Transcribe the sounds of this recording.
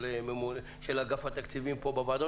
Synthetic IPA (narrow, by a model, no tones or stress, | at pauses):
ememul | ʃelaɡafat̪akt͡sivimpobavad̪o